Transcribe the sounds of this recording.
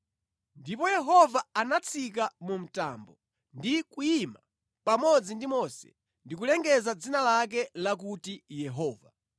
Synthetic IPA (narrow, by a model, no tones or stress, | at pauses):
ndipɔjɛɦɔvaanat͡sʰik̬amum̩ta̰mbɔ | ndikujima | pamɔd͡zindimɔsɛ̰ | ndik̬ulɛŋɡɛzad͡zinalak̬ɛlak̬utijɛɦɔːva